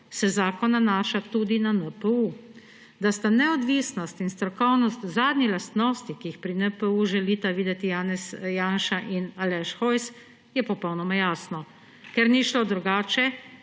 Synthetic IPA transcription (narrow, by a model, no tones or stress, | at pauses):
sɛzaːkɔnanaːʃat̪ud̪inanəpɛu | d̪ast̪anɛɔd̪ʋisnɔst̪inst̪ɾɔkɔwnɔst̪zaːd̪nilast̪nɔːst̪ikijixpɾinəpəuʒɛliːt̪aʋiːd̪ɛt̪ijanɛsjaːnʃaʔinalɛʃxɔjs | jɛpɔpɔwnɔmajaːsnɔ | kɛɾniʃlod̪ɾuɡaːt͡ʃɛ